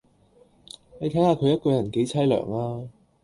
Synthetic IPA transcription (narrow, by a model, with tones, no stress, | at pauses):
le˨˧jt̪ʰɐ˨˥jhaː˨˧kʰɵ˨˧ɥjɐ˥t̚kɔː˧jɐ˨˩nke˨˧˥jt͡sʰɐ˥jlœ̰ː˨˩ŋaː˧